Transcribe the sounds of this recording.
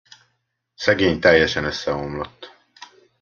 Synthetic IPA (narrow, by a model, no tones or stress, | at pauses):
sɛɡeːɲt̪ɛjːɛʃɛnøsːɛomlot̪ː